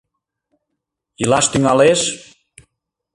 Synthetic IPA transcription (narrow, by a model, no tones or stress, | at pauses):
ilaʃt̪yŋaleʃ